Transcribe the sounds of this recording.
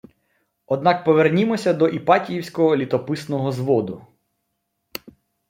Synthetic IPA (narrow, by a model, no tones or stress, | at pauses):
ɔd̪̚nɑkpɔʋernʲimɔsʲɐd̪ɔʔipɑtʲijiwsʲkɔɦɔlʲit̪ɔpɪsnɔɦɔzʋɔd̪ʊ